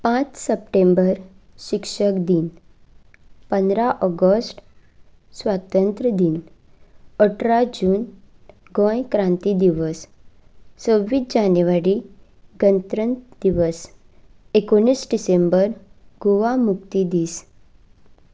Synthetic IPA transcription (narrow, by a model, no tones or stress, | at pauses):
pãt͡ssəp̚ʈẽmbəɾ | ɕikʂəkd̪iːn | pənd̪ɾaʔɔɡəsʈ | sʋat̪ənt̪ɾəd̪iːn | əʈʰɾad͡ʑuːn | ɡɔ̃jkɾãnt̪id̪iʋəsː | əʋiːd͡ʑanjʋaɾi | ɡənt̪ɾənt̪d̪iʋəs | ekoɳ̃iːsɖisembəɾɡoʋamuk̚t̪id̪iːs